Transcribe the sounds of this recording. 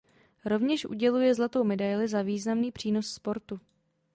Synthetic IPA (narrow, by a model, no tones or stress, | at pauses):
ɾo̞vɲɛʃʔṵɟɛlujɛzlat̪o̞wmɛdajlɪzaviːznamniːpr̝̥iːno̞sspo̞ɾt̪u